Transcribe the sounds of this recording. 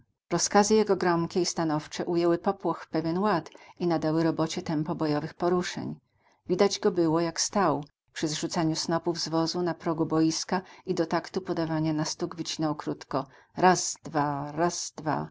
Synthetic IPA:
ɾɔskazɘjɛɡɔɡɾɔmkʲɛist̪anɔft͡ʂɛʔujɛwɘpɔpwɔxpɛvʲjɛnwat̪inad̪awɘɾɔbɔt͡ɕɛt̪ɛmpɔbɔjɔvɘxpɔɾuʂɛ̰ɲ | vʲid̪ad͡ʑɡɔbɘwɔjakst̪aw | pʂɘzʐut̪saɲusnɔpuvzvɔzunapɾɔɡubɔjiskaid̪ɔt̪akt̪upɔd̪avaɲanast̪uɡvɘt͡ɕinɔwkɾut̪kɔ | ɾazd̪vaɾazd̪va̰

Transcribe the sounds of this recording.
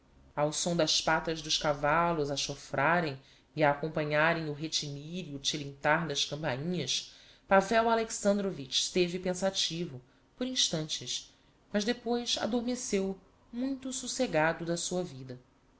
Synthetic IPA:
awsõd̪ɐspat̪ɐzd̪ʊʃkavalʊzɐʃofɾʔaɾẽj̃ | iaːkõpɐ̃ɲaɾẽj̃ʊɦet͡ʃimiɾiʊt͡ʃilĩnt̪aɾd̪ɐʃkɐ̃mpaɲĩɲɐs | pavɛwaleksɐ̃nd̪ɾovit͡ʃt̪evɪpẽsat͡ʃivʊ | poɾĩʃt̪ɐ̃nt͡ʃɪʃ | mɐzd̪epojsa̰d̪oɾmesew | mũj̃t̪ususeɡad̪ʊd̪ɐsuɐvid̪ɐ

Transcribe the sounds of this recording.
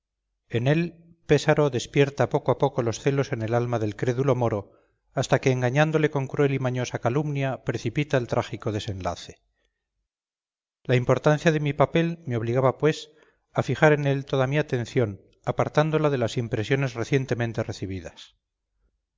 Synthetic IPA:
e̞ne̞l | pe̞saɾo̞ðe̞spje̞ɾt̪apo̞koapo̞ko̞lo̞sθe̞lo̞se̞ne̞lalmaðe̞lkɾe̞ðulo̞mo̞ɾo̞ | ast̪ake̞ːŋɡaɲand̪o̞le̞ko̞ŋkɾuelimaɲo̞sakalumnjapɾe̞θipit̪aelt̪ɾʔaχiko̞ðe̞se̞nla̰θe̞̥ | laimpo̞ɾt̪anθjaðe̞mipape̞lme̞o̞β̞liɣaβapwe̞s | afixaɾe̞ne̞lt̪o̞ðamiat̪ẽ̞n̟θjo̞n | apaɾt̪and̪o̞laðe̞lasimpɾe̞sjo̞ne̞zre̞θjent̪e̞mẽnt̪e̞re̞θiβiðas

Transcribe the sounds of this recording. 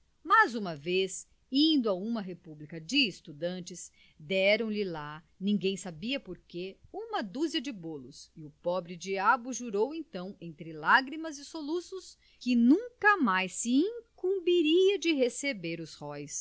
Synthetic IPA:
mɐzũmɐves | ĩnd̪ʊɐũmɐɦepublikɐd͡ʒɪːst̪ud̪ɐ̃nt͡ʃɪs | d̪ɛɾɐ̃w̃lɪla | nĩŋɡẽj̃sabiɐpoɾkeũmɐd̪uziɐd͡ʒɪbolʊsɪʊpɔbɾɪd͡ʒiabʊʒuɾowẽnt̪ɐ̃w̃ẽnt̪ɾɪlaɡɾimɐzɪsolusʊs | kɪnũŋkɐmajsːɪĩŋkũmbiɾiɐd͡ʒɪɦesebeɾʊshɔjs

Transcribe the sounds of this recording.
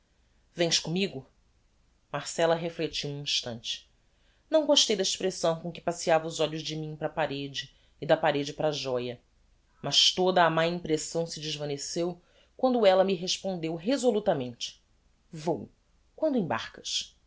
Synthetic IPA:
vẽj̃ʃkõmiɡʊ | maɾsɛlɐɦeflet͡ʃiwũĩʃt̪ɐ̃nt͡ʃɪ̥ | nɐ̃w̃ɡoʃt̪ejd̪ɐiʃpɾesɐ̃w̃kõŋkɪ̥pasiavɐʊzɔʎʊzd͡ʒɪmĩŋpɾɐpaɾed͡ʒɪː | d̪ɐpaɾed͡ʒɪpɾaʒɔjɐ | mɐʃt̪od̪ɐːmajĩpɾesɐ̃w̃sɪd͡ʒɪzvɐ̃nesew | kwɐ̃nd̪ʊɛlɐmiɦeʃpõnd̪ewɦezolut̪ɐmẽnt͡ʃɪ̥ | vow | kwɐ̃nd̪ʊẽba̰ɾkɐ̥ʃ

